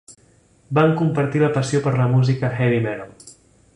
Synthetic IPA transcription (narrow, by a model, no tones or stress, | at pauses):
baŋkumpəɾt̪iləpəsiopəɾləmuzikəxɛβimɛɾol